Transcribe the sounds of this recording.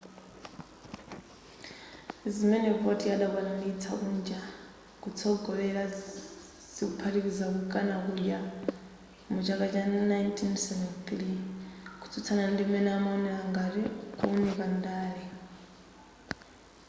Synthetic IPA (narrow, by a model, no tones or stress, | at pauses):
zimɛnɛbɔtʼijaɗaβanandiːt͡sʰa̰ʔund͡ʒa | kut͡sʰɔɡɔβɛɺa | z̥ikupʰaɾikizakukʼanak̬uɗja | mud͡ʒakʼat͡ʃʼanajntʰinsɛvɛnθlikʰu̥t͡sʰut͡sʰanandimɛnɛamaɔnɛɺaŋɡaɾikunɛkandaːɺi